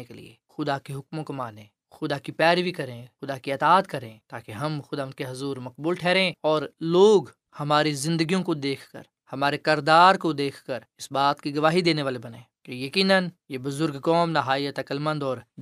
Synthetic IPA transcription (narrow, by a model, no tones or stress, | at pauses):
ekelḭḛ | xʊd̪akeɦʊkmõkomaːnẽː | xʊd̪akipɛːɾʋikɐɾẽːxʊd̪akiɐt̪aːt̪kɐɾẽːt̪aːkeɦɐmxʊd̪ankeɦʊzuːɾmɐqbuːlʈʰɛːɾẽːɔːɾloːɡ | hɐmaːɾizɪ̃nd̪əɡijõkod̪eːkʰkə̰ɾ | hɐmaːɾekɪɾd̪aːɾkod̪eːkʰkəɾɪsbaːt̪kiɡɐʋaːɦid̪eːneʋaːlebɐnẽːkejɐkiːnənjebʊzʊɾɡkɔːmnaɦaːiət̪ɐkəlmə̃nd̪ɔːɾ